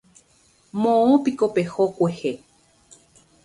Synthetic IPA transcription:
mõõpikopehokʷehe

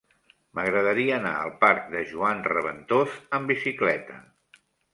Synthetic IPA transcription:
məɣɾəðəɾiəːna̰ə̰lˠpaɾk̚d̪əʒuanrəβə̰nt̪ozəmbisiklɛt̪ə̰

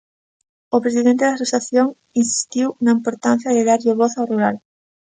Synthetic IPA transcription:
ʊpɾesiðent̪eðasusaθjoŋ | insi̥st̪iwnaĩmpoɾt̪an̟θjaðeðaɾʎoβoθawruɾal

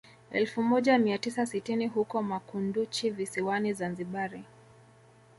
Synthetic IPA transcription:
ɛ̰lfumɔʄamiatisasitiniɦukɔmakundut͡ʃivisiwanizanziɓaɾi

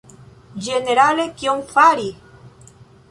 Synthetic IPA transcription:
d͡ʒeneɾalekjoŋfaɾi

